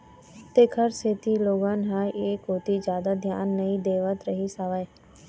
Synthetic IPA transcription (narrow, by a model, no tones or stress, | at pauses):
t̪eːkʰəɾset̪iloːɡaːnɦaːeːkɦoːt̪id͡ʒjaːd̪ad̪ʱja̰ːnːɐid̪eːʋət̪ɾəɦisaʋae